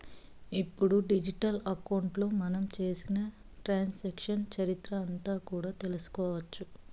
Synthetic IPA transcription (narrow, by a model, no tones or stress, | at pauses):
ipːuɽuɖid͡ʒiʈɐlɐkɐwɳʈlo̞ːmɐnɐmt͡ʃe̞ːsinɐ | ʈɾaːnsɐːkʂɐnt͡ʃɐɾit̪ɾɐːnt̪aːkuːɽaːt̪e̞lusu̥kɔːʋɐt͡ʃːu